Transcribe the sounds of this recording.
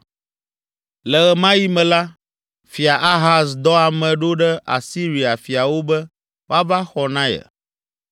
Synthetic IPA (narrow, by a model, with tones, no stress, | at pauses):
lɛ˨ɣɛ˨mã˦ji˦mɛ̃˨la˦ | fi˨a˨ʔa˦ɦa˨sd̪ɔ˦a˨mɛ̃˨ɖo˦ɖɛ˦ʔa̰˨si˦ɾi˨a˨fi˨a˨wo˦bɛ˦ | wa˦va˦xɔ˨nã˦jɛ̰˨